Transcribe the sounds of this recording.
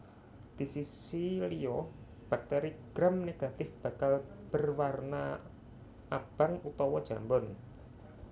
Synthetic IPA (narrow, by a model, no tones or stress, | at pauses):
d̪̥i̤sisiliɔ | b̥a̤k̚t̪eɾiɡ̥ɾamneɡ̥a̤t̪ɪfb̥a̤kalb̥ərwarna̰ | ʔab̥a̤ŋut̪ɔwɔd̥ʒ̥a̤mbɔn